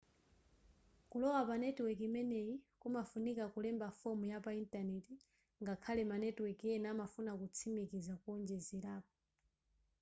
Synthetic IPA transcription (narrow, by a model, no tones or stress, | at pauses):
kulɔwapanɛtwɛkimɛnɛikumafunikakulɛmbafɔmujapaintanɛti | ŋɡakʰalɛmanɛtwɛkiɛnamafunakut͡sʰimikizakuɔnd͡ʒɛziɾaːp̚ɔ̥